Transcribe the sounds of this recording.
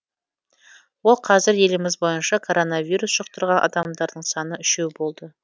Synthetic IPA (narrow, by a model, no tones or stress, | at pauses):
wo̞lˠqʰɑzɪɾje̞lɪmɪzbo̞jənʃɑkʰo̞ɾo̞navʲijɾusʒ̥əq̚t̪əɾʁɑnʔɑ̰d̪ɑmd̪ɑɾd̪əɴsɑnəʏʃe̞wbo̞lˠd̪ə